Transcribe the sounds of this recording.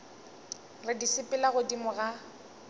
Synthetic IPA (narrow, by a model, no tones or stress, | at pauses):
rɪdisɪpʼɪlaɣʊdimʊɣa